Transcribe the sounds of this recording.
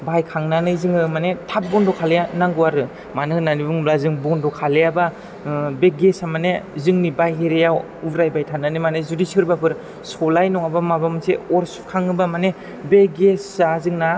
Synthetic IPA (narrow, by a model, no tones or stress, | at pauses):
bajkʰaŋnanɯzɯŋɯmanetʰap̚bɔndɔkʰalejanaŋɡɯaɾɯ | manɯnanibɯŋmlazɯŋbɔndɔkʰalejaba | beɡesamanezɯŋnibajɦeɾejaw | ubɾajbajtʰanːanimanezudisɯɾbapʰɯɾ | sɔlajnɔŋabamabamseɔɾsu̥kʰaŋɯbamane | beɡesazɯŋna